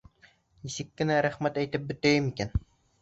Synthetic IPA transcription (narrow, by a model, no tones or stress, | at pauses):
isɪkʲːɪnæɾæχmæt̪æjt̪ɪp̚bɪ̆t̪æjɪmikʲæn